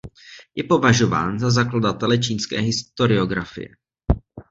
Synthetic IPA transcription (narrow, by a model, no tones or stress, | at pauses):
jɛpo̞vaʒo̞va̰ːnzazakladat̪ɛlɛt͡ʃiːnskɛ̰ːɦɪst̪o̞ɾɪo̞ɡɾafɪ̰jɛ̰